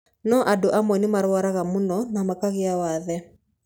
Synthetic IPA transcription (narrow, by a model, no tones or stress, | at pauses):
nɔʔadoʔamwɛnimaɾwaɾaɣamonɔnamakaɣeawaðɛ